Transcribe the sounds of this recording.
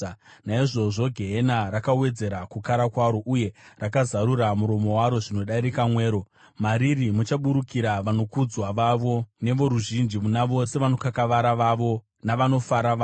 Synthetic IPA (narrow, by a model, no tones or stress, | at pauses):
naiʐo̞ʐo̞ɡʱe̞ɦenaɾakawe̞d͡ze̞ɾakukaɾakwaɾo̞ʔuje̞rakazaɾuɾamuɾo̞mo̞waɾo̞ʐino̞ɗaɾikamwe̞ːɾo̞ | maɾirimut͡ʃaɓuɾukiɾaʋano̞kud͡zwaʋaʋo̞ne̞ʋo̞ɾuʒind͡ʒimunaʋo̞se̞ʋano̞kakaʋaɾaʋaʋo̞ | naʋano̞faɾaʋaː